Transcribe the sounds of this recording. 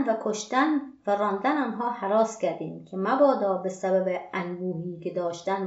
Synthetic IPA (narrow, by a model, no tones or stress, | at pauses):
vækʰoʃt̪ænvæɾɒːnd̪ænɒːnɦɒːhæɾɒːskʲæɾd̪iːmkʰemæbɒːd̪ɒːbesæbæbeænbuːhiːkʲed̪ɒːʃt̪æn